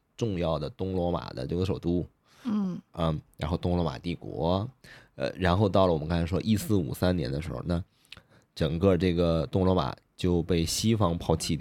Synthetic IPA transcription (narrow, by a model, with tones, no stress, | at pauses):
ʈ͡ʂʊ˥˧ŋjɑ˥˩ʊd̪ə˩t̪ʊ˥ŋlwɔ˧˥ma̰˨˩d̪ə̰˦ʈ͡ʂɤ˥˧ɡə˩ʂ̬o˨˩ʊt̪u˥˩ | ə˥˩ɻa˧˥nxo˥˩ʊt̪ʊ˥ŋlwɔ˧˥ma̰˨˩t̪i˥˩kwɔ̰˧˥ | ə̰˧ɻa˧˥nxo˥˧ʊt̪̬ɑ˥˩ləwɔ˨˩m˦˥kɑ˥˧ŋt͡sʰa˥ʂwɔ˥ʔi˥˧sɹ̩˥˩ṵ˨˩sa˥njɛ˧˥nd̪ə˧ʂɻ̩˧˥xo̰˧ʊna˥˩ | ʈ͡ʂɤ˨˩ŋkə˥˧ʈ͡ʂɤ˥˩ɡə˩t̪ʊ˥ŋlwɔ˧˥ma̰˨˩˦ | t͡ɕjo˥˧ʊpe˥˩ɪɕi˥fɑ˥ŋpʰɑ˥˧ʊt͡ɕʰi˥˩t̪